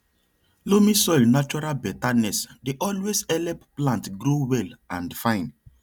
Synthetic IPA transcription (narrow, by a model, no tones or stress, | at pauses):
lomisɔjlnat͡ʃɔɾalbɛtanɛsdeʔɔlwesɛlɛpplãntɡɾowɛlãnfãɪ̃n